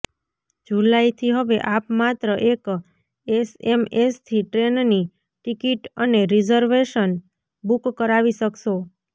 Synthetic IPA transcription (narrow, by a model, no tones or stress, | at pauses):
d͡ʒulait̪ʰiɦəʋeʔapmat̪ɾəʔek | esemest̪ʰiʈɾenni | ʈikiʈəneɾid͡ʒəɾʋeʃən | bukːəɾaʋiʃəkʃo